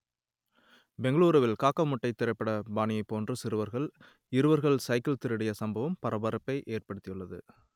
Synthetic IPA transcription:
bɛŋɡɐɭuːɾɐʋɪlkaːkːɐmʊʈːɐɪt̪ːɪɾɐɪpːɐɽɐbaːnɪjɐɪpːoːndrɯsɪɾɯʋɐɾɣɐɭ | ɪɾɯʋɐɾɣɐɭsɐɪkːɪlt̪ɪɾɪɽɐjɐsɐmbɐʋɐmpɐɾɐbɐɾɐpːɐɪʔeːrpɐɽɯt̪ːɪjɯɭːɐðɯ̰

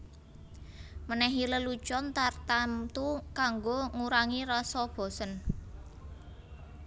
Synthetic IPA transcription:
mənɛɦiləlu̥t͡ʃɔnt̪art̪amt̪ukaŋɡoŋuɾaŋiɾɔsɔb̥ɔ̤sən

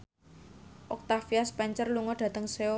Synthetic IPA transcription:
ʔɔk̚t̪afiaspɛɲt͡ʃərluŋɔɖ̥ä̤t̪əŋseo

